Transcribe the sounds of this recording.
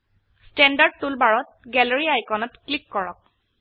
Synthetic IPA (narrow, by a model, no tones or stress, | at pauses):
stɛndaɹd̚tulbaɹɔt̚ | ɡɛlɔɹiajkɔnɔtklikːɔɹɔk̚